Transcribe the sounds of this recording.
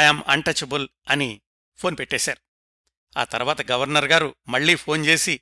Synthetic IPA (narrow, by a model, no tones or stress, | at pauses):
jɐmɐɳʈɐt͡ʃɐbul | ɐni | pʰo̞ːnpeʈːeːsaːɾu | a̰ːt̪ɐɾuʋaːt̪ɐɡɐʋɐɾnɐɾɡaːɾumɐɭːiːpʰo̞ːnt͡ʃe̞ːsi